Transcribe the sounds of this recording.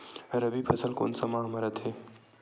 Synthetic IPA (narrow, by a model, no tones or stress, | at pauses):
ɾɐbipʰɐsəlko̰ːnsɐmãːɦmɐɾɐt̪ɦeː